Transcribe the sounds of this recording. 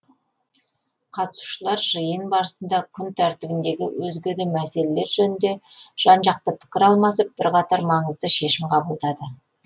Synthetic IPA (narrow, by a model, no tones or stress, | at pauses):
qʰɑt̪əsu̥ʃəlˠɑɾʒəjənbɑɾəsənd̪ɑqʲʰʊnt̪ʰæɾt̪ɪbɪnd̪e̞ɡʲɪ̰wɵzɡʲɪd̪ɪmæse̞le̞le̞ɾʒɵnɪnd̪e̞ʒ̥ɑnʒɑq̚t̪əpʰɪ̥kʲɪɾɑlˠmɑsəp̚b̥ɪɾqʰɑt̪ɑɾmɑɴəzd̪əʃe̞ʃɪmqʰɑbəlˠd̪ɑd̪ə